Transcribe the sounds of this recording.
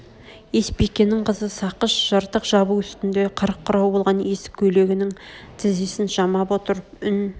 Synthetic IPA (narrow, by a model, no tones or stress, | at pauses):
e̞spekʲe̞nːɪŋqʰəzəsɑqəʃʒ̥ɑɾt̪əqʒɑbuʏst̪ɪnd̪e̞qʰəɾəqʰːʊɾɑwbo̞lˠʁɑne̞sɪ̥kʲʰːɵle̞ɡʲɪnɪŋt̪ʰɪzesɪnʒɑmɑpo̞t̪əɾəpʏn